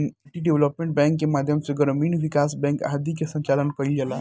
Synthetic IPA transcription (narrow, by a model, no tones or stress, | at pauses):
nʈiɖeʋləpmẽɳʈ̚bɛ̃ŋkːemaːd̪ʱjəmseɡəɾmiːnʋikasbɛ̃ŋka̰ɦd̪ikesə̃ɲt͡ʃalənkəild͡ʒala